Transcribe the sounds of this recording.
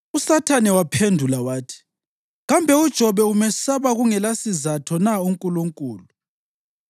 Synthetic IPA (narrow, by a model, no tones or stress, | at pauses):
usatʰanɛwapʰendʱulawaːtʰi̥ | ɣambʱɛud̥ʒ̥ʱɔβɛumɛsaβaɣuŋɛlasizatʰɔnauŋkʼuluŋkʼṵːlu